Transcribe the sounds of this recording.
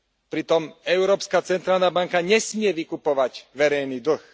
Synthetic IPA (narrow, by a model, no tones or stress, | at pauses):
pɾit̪ɔmɛʊɾɔːpskat͡sɛnt̪ɾaːlnaːbaŋkaɲɛsmɪɛʋikupɔʋaɟʋɛɾɛjniːd̪r̩x